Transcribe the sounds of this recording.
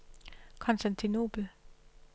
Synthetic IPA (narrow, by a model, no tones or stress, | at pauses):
kʰɒ̽nsd̥ænt͡sʰino̝̰ːb̥l̩